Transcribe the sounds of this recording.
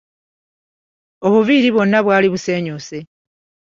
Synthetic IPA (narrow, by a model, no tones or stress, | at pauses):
o̞βuviːɾiβo̞nːaβwaːliβuse̞ːɲose̞